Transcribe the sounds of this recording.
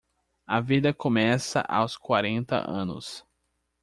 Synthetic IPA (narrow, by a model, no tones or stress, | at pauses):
ɐvid̪ɐkõmɛsɐ̰ʔa̰wskwaɾẽnt̪ɐ̰ʔɐ̰̃nʊ̰s